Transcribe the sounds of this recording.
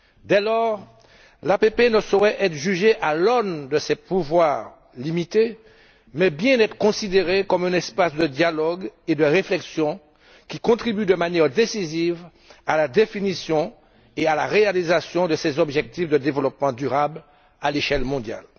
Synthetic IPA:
d̪ɛlɔʁ | lapepenəsoʁɛʔɛt̪χʒyʒeʔalɔnd̪əsɛpuvwaʁ | limit̪e | mɛbjɛ̃nɛt̪χə̥kɔ̃sid̪eʁekɔmɛ̃nɛspasd̪əd̪jalɔɡed̪əʁeflɛksjɔ̃ | kʲikɔ̃t̪χibyd̪əmanjɛʁd̪esiziv | alad̪efinisjɔ̃ | ealaʁealizasjɔ̃d̪əsɛzɔbʒɛk̚t̪ifd̪əd̪evəlɔp̚mɑ̃d̪yʁabl | aleʃɛlmɔ̃d̪ja̰l

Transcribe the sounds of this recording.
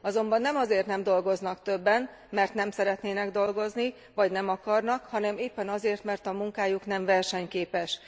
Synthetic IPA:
ɒzo̞mbɒnːɛmɒzeːrt̪nɛmd̪o̞lɡo̞znɒkt̪ø̞bːɛn | mɛrt̪nɛmsɛɾɛt̪neːnɛɡd̪o̞lɡo̞zni | vɒɟnɛmɒkɒrnɒkhɒnɛmeːpːɛnɒzeːrt̪mɛrt̪ɒmuŋkaːjuknɛmvɛrʃɛɲkeːpɛʃ

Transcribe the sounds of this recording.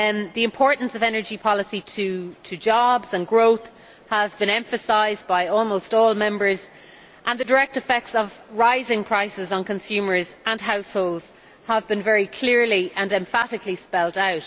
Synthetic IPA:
ðiɪ̃mpʰɔːɹʔn̩səvɛnə˞d͡ʒipʰɑləsitʰətʰəd͡ʒɔbz̥ə̃nɡɹoʊθ | həzbɪ̃ñɛ̃ɱfəsaɪzbaɪɔːlˠmoʊstɔːlˠmɛ̃mbə˞z | ʔə̃nðədə˞ɛk̚tɪfɛk̚tsəvɹaɪzɪ̃ŋpʰɹ̥aɪsɪzn̩kʰə̃nsjʉːmə˞zə̃nɦaʊshoʊlˠdz̥ | həvbɪ̃nvɛɹikʰl̥ɪɹliʔə̃nɛ̃ɱfaɾɪklispɛlˠdaʊt

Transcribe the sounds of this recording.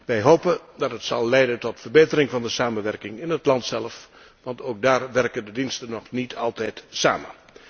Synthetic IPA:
ʋɛjɦowpəndɑtɦətsɑlˠːɛjdəntɔtfəɹbejtəɾɪŋvɑndəsaːmənʋɛrkɪŋɪnɦətlɑntsɛləf | ʋɑntowk̚daːɹʋɛrkəndədinstənɔχnitʰɑlˠtɛjtsa̰ːmən

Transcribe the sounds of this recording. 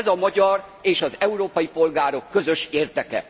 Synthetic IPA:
zɒmɒɟɒreːʃɒzɛuɾoːpɒjipo̞lɡaːɾo̞kːøzø̞ʃeːrd̪ɛkɛ̰

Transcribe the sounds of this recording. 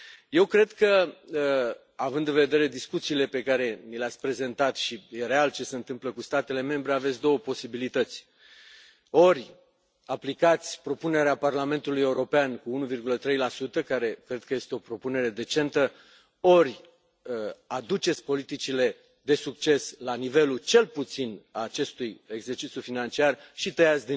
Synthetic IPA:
je̞wkɾe̞d̪kə | avɨnd̪ɨnve̞d̪e̞ɾe̞d̪iskut̪siːle̞pe̞kaɾe̞mileat̪sʲpɾe̞ze̞nt̪at̪ʃijeɾe̞alt͡ʃe̞seɨnt̪ɨmpləkust̪at̪e̞le̞me̞mbɾe̞avet̪sʲd̪o̞wəpo̞sibilit̪ət̪sʲ | o̞ɾʲ | aplikat̪sʲpɾo̞pune̞ɾeaparlame̞nt̪ulujeuɾo̞peankuunuvirɡulət̪ɾe̞jlasut̪əkaɾe̞kɾe̞d̪̚kəje̞st̪eo̞pɾo̞pune̞ɾe̞d̪e̞t͡ʃe̞nt̪ə | o̞ɾʲ | ad̪ut͡ʃe̞t̪sʲpo̞lit̪it͡ʃile̞ | d̪e̞suk̚t͡ʃe̞slanive̞lut͡ʃe̞lput̪sinaːt͡ʃe̞st̪uje̞ɡzert͡ʃit̪sʲjufinant͡ʃiarʃit̪əjat̪sʲd̪i

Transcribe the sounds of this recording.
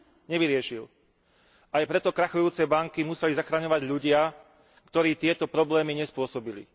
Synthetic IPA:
ɲɛʋiɾɪɛʃil | ajpɾɛt̪ɔkɾaxɔjuːt͡sɛbaŋkimusɛlizaxɾaɲɔʋaɟʎuɟɪa | kt̪ɔɾiːt̪ɪɛt̪ɔpɾɔblɛːmiɲɛspʊɔsɔbilḭ

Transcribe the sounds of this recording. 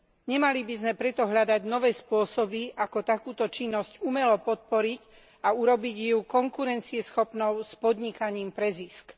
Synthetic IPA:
ɲɛmalibizmɛpɾɛt̪ɔɦʎad̪aɟnɔʋɛːspʊɔsɔbiʔakɔt̪akuːt̪ɔt͡ʃinːɔscumɛlɔpɔt̪̚pɔɾic | auɾɔbiɟjukɔŋkuɾɛnt͡siɛsxɔpnɔʊspɔd̪ɲikaɲiːmpɾɛzisk

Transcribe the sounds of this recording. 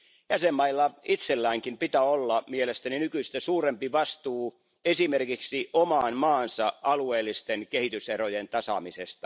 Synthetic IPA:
jæsemːɑilːɑit̪selːæiŋkimpit̪æolːɑmielest̪æninykyist̪æsuːrempiʋɑst̪uː | esimerkiksiomɑːnmɑːnsɑɑlueːlːˑist̪enkehit̪yserojent̪ɑsɑ̰misest̪ɑ

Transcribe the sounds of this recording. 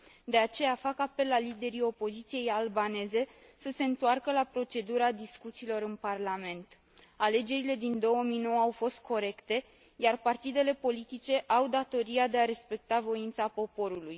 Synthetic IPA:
d̪e̞at͡ʃe̞jafakape̞lalːid̪e̞ɾio̞po̞zit̪sije̞jalbane̞ze̞ | səse̞ɨnt̪oarkəlapɾo̞t͡ʃe̞d̪uɾad̪iskut̪siːlo̞ɾɨnparlame̞nt̪ | ale̞d͡ʒe̞ɾile̞d̪ind̪o̞wəmijno̞wəawfo̞st̪̚kʰo̞ɾe̞kt̪e̞ | jarpart̪id̪e̞le̞po̞lit̪it͡ʃe̞ʔawd̪at̪o̞ɾiad̪e̞aɾe̞spe̞k̚t̪avo̞int̪sapo̞po̞ɾuluj

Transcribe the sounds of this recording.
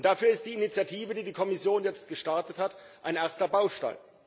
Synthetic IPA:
ntd̥afyːɐɪst̚d̥iːinit͡sjatʰiːvədiːdiːkʰɔmɪsjoːnjɛt͡st̚ɡ̥əʃtaɐtəthatʔaɪnʔɛɐstɐbaʊʃta̰ɪl

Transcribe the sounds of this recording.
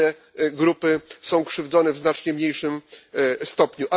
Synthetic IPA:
ɛ | ɡɾupɘsɔ̃w̃kʂɘvd̪zɔnɛvznat͡ʂɲɛmɲejʂɘmst̪ɔpɲuʔa

